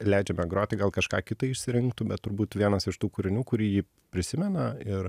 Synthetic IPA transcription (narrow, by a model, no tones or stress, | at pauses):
lʲɛɪd͡ʒʲɛmɛɡɾoːt̪ʲɪɡɐlˠkɐʃkɑːkʲɪt̪ɐɪɪʃʲsʲɪɾʲɪŋkt̪ʊbʲɛt̪t̪ːʊɾbuːt̪ʋʲiɛnɐsɪʃt̪uːkʊɾʲɪnʲuːkʊɾʲiːjiː | pʲɾʲɪsʲɪmʲɛnɐɪɾ